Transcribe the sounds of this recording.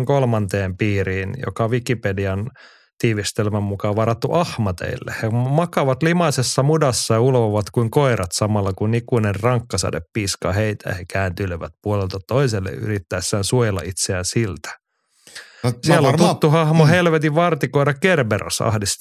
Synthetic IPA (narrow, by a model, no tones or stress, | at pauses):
ŋkolmɑnt̪eːmpiːɾiːnjo̰kɑʋikipediɑn | t̪iːʋist̪elmæmmukɑʋɑɾɑt̪ːuʔɑhmɑt̪ḛilːḛhemɑkɑʋɑt̪limɑsesːɑmudɑsːɑjɑulʋoʋɑt̪kuiŋkoiɾɑt̪sɑmɑlːɑkunnikuinerrɑŋkːɑsɑ̰dḛppiːskɑ̰ːheit̪æ̰jɑ̰hekæːnt̪yløʋæt̪̚puolelt̪ɑt̪oiselːḛʔy̰rit̪ːæːsːæːnsuojelːɑ̰ʔit̪seænsilt̪æ̥ | sielːot̪ut̪ːuhɑhmohelʋet̪iʋʋɑrt̪ikoiɾɑkerbero̰sɑ̰hdist̪